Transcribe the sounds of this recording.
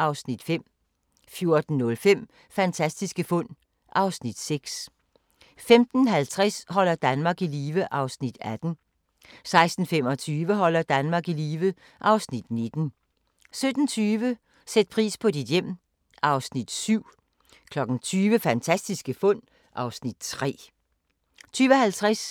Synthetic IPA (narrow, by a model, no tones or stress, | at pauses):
ʔɑ̈ʊsnid̥fem̰ | fjo̝ɐd̥n̩ːɔ̽lfem̰ | fænt͡sʰæsd̥isɡ̥əfɔ̽n̰ | ʔɑ̈ʊsnid̥seɡ̥s | femd̥n̩ɦælt͡sʰʁɛshɒ̽l̰ɐd̥ænmɑ̈ːɡ̥iliːʋəʔɑ̈ʊsnid̥æd̥n̩ | sɑ̈ɪsd̥n̩fem̰ɒ̽t͡sʰyːʋəɦɒ̽l̰ɐd̥ænmɑ̈ːɡ̥iliːʋə | ʔɑ̈ʊsnid̥ne̝d̥n̩ | sød̥n̩t͡sʰyːʋə | sed̥̚pʰʁḭːspʰɒ̽did̥jem̰ | ʔɑ̈ʊsnid̥syʊ̰ | kʰlɒ̽ɡ̥n̩t͡sʰyːʋəfænt͡sʰæsd̥isɡ̥əfɔ̽n̰ | ʔɑ̈ʊsnid̥t͡sʰʁɛ̰ː | t͡sʰyːʋəhælt͡sʰʁɛs